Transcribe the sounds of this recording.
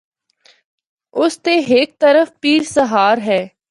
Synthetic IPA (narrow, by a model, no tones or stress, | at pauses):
ʊst̪eːɦɪk̚t̪əɾəfpiːɾsəɦaːɾɦɛː